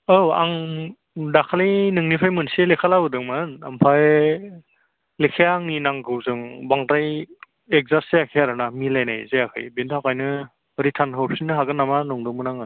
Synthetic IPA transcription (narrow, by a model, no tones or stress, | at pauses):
ɯwa̰ŋ | dakʰalijnɯŋnipʰajmɯnselekʰalawɯdɯŋmana̰mpʰaj | lekʰeaŋninaŋɡɯwzɯŋbaŋtaj | ek̚zaseakʰeaɾɯnamilajnajzeakʰa̰jbentʰakʰajnɯ | ɾitʰanɦɔpsinɯɦaɡɯnːamanɔŋdɯŋmɯnaŋɯ